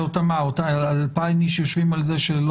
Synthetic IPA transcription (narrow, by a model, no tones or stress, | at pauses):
ot̪amaot̪aalpaimiʃjoʃvimalzeʃelo